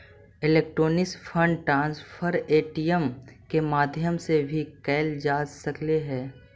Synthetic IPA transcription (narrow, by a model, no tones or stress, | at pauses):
ɪleːk̚ʈɾoːnɪsfʰə̃ɳɖʈɾãːnspʰəɾeːʈijəmkemaːd̪ʱjəmsebʱikɛːld͡ʒaːsɐkleɦɛː